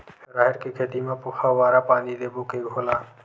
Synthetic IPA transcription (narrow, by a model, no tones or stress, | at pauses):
ɾaːɦɪɾkekʰeːt̪imẽpʊxʰaʋaːɾapaːnid̪eːbokeɡʱoːlaː